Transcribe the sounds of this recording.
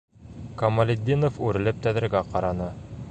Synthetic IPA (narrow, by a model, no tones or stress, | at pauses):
kɐmɐlʲɪd̪ʲːinofʉɾɘ̆lɘp̚t̪æðɘ̆ɾɡæqɑɾɑnɤ